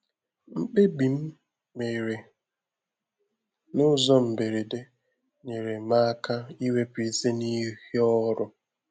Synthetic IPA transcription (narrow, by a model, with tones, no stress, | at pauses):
m̩˦k͡pe˦bi˨m̩˦ | me˨ɾe˨ | nʊ˦zɔ˦m̩˨be˨ɾe˨de˦ | ne˨ɾe˨ma˦ka˦i˦we˦pi˦ze˦ni˦hɔ˦ɾʊ˦